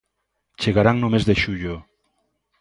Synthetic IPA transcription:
t͡ʃeɣaɾaŋnomezðeʃuʎo

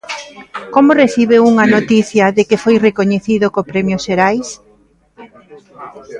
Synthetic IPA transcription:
komoreθiβ̞euŋɐnot̪iθjɐðekefojrekoɲeθiðokopɾɛmjoʃeɾajs

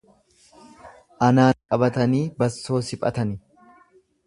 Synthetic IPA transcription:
ʔɐnaːŋkʼɐbɐt̪ɐniːbɐsːo̞ːsɪpʼɐ̰t̪ɐnɪ

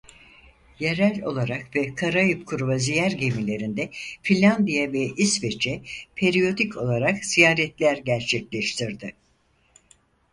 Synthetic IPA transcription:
je̞ɾælʲo̞̰lˠaɾakvɛkʰaɾajɯp̚kʰuɾβazijæɾɟe̞milʲe̞ɾind̪ɛfilʲːand̪ijavɛʔisvet͡ʃʰɛpʰe̞ɾijo̞d̪icʰo̞lˠaɾakz̥ijaːɾɛt̪lʲæɾɟæɾt͡ʃʰɛclʲɛʃt̪ʰiɾd̪ɪ

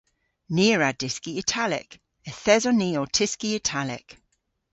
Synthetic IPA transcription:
niəɹadɪskiɪtʰalɪ̰k | əθɛzɔniːotʰɪskiɪtʰalɪ̰k

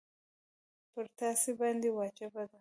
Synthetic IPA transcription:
pəɾt̪ɑsibɑnd̪ewɑt͡ʃabad̪a

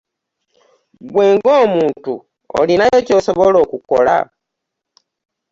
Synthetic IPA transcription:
ɡweːŋɡoːmuːntu | o̰linajocosoβolo̞ːkuko̰la̰

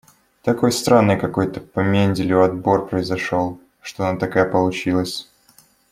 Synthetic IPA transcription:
t̪ɐko̞jst̪ɾanːɨjkɐko̞jt̪əpɐmʲenʲdʲɪlʲʊɐd̪bo̞rpɾəɪzɐʂolˠ | ʂt̪oɐnat̪ɐkajəpəlˠʊt͡ɕilˠəsʲ

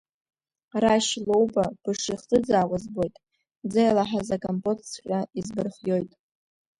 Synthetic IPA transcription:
raʃlo̞wbab̥ɨʂiχt͡sʼɨd͡zaːwazbo̞jtʼ | d͡zajlaħazakʼampʼotʰskʲʼaizbɨrχjo̞jtʼ

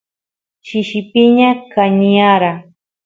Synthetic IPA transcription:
ʃɪʃɪpɪɲakaɲijaɾa

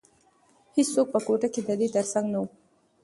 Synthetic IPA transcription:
hit͡ssok̚pəkoʈaked̪əd̪et̪əɾsaŋɡnawu

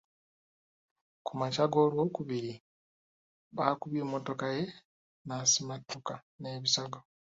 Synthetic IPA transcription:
kʰumacaɡo̞ːlwo̞ːkuβiɾi | βaːkuβimːo̞to̞kaje̞ | nasimatːuka | ne̞ːβisaɡo

